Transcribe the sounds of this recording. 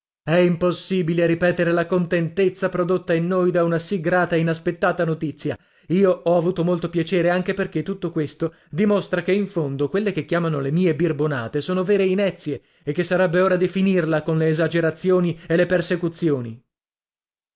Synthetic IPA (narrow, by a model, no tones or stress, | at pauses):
ɛimposːiːbileɾipɛːt̪eɾelakont̪ent̪et̪sːapɾod̪ot̪ːainːojd̪aunasiɡɾaːt̪aeinaspet̪ːaːt̪anot̪it̪sːja | iːoɔavuːt̪omolt̪opjat͡ʃeːɾeaŋk̟eperket̪ːut̪ːokwest̪o | d̪imost̪ɾakeiɱfond̪okwelːek̟ekːjaːmanolemiːebirbona̰ːt̪esoːnoveːɾeinɛt̪sːje | ekːesːaɾɛbːeoːɾad̪ifinirlakonleːzad͡ʒeɾat̪sːjoːnielːepersekut̪sːjoːni